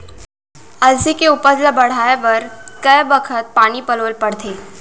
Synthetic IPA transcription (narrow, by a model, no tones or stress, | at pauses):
ɐlsikeʊpəɾlabɐɽ̤aːeʋɐɾkəjbəkʰət̪̚paːnipəloːlpɐɽ̤t̪ʰeː